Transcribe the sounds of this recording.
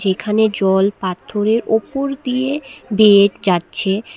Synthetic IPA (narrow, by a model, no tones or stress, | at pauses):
ekʰaned͡ʑɔlpat̪ʰːoɾeɾopoɾd̪iebeʈd͡ʑatːɕʰe